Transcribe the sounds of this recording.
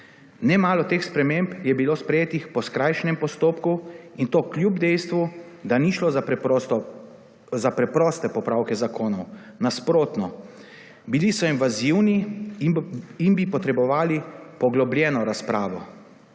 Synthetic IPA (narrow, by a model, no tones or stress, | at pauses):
nɛmaːlɔt̪eːxspɾɛmempjɛbiloːspɾɛjeːt̪ixpɔskɾajʃnɛmpɔst̪oːpkuint̪oːklʲjubd̪ɛjst̪ʋu | d̪aniʃloz | zapɾɛpɾɔst̪ɛpɔpɾawkɛzakʰoːnɔw | naspɾoːt̪nɔ | bilisɔinʋaziwni | inbipɔt̪ɾɛbɔʋaːlipɔɡlɔbljɛːnɔɾaspɾaːʋɔ